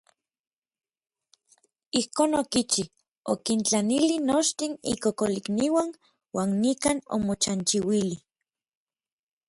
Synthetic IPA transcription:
ihkoːnokit͡ʃi | okint͡ɬanilinot͡ʃt̪inḭkokolikniwan | waːnːikano̰mot͡ʃant͡ʃiwili

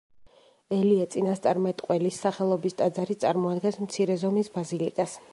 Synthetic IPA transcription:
ɛliat̪sʼinast̪sʼaɾmɛt̪ʼqʼwɛlisːaχɛlˠɔbist̪ʼad̪zaɾit̪sʼaɾmɔad̪ɡɛnsmt̪sʰiɾɛzɔmisbazilikʼas

